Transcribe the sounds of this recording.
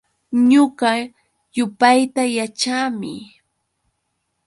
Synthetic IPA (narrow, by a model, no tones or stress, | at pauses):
ɲoɢɑ | jʊpajt̪ajat͡ʃaːmɪ̰